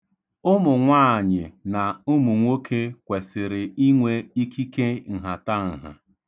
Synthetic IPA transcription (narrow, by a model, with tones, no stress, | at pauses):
ʊ˦mʊ˨ŋʷaː˦˨ɲɪ˨na˨ʊ˦mu˨ŋʷo˦kʰe˦kʷe˨sɪ˨ɾɪ˨i˦ŋʷe˦i˦ki˦ke˦ŋ̩˨ɦa˨ta˦˨ŋ̩˨ɦa̰˨